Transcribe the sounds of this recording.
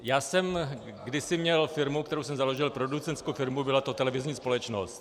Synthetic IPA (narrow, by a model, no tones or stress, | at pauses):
jaːsɛm | ɡdɪsɪmɲɛlfɪɾmuk̚t̪ɛɾowsɛmzalo̞ʒɪlpɾo̞dut͡sɛnt̪skowfɪɾmubɪlat̪o̞t̪ɛlɛvɪzɲiːspo̞lɛt͡ʃnost̪